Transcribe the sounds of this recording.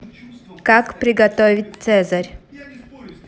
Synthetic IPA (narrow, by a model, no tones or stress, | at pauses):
kakpɾʲɪɡɐt̪ovʲɪt̚ʲt̪sɛzɐɾʲ